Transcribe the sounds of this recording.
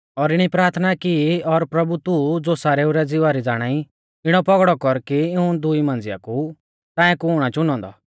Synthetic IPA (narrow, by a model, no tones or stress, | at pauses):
ɔɾɪɽ̃ipɾaːɾt̪ʰnakiɔɾpɾɐbut̪ud͡zoːsaːɾeuɾɛd͡zɪʋaɾid͡zaːɽ̃ai | ɪɽ̃ɔpɔɡɽɔkɔɾkiɪũd̪ʊimãːnd͡zɪja̰ku | t̪ãːɛ̃kuːɽ̃at͡ʃʊnɔ̃ːnd̪ɔ̰